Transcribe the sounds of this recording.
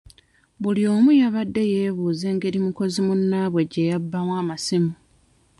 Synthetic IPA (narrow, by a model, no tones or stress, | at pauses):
βuljo̞ːmujaβadːe̞je̞ːβuːze̞ːŋɡe̞ɾimuko̞zimunːaβwe̞ɟe̞jabːamwaːmasimu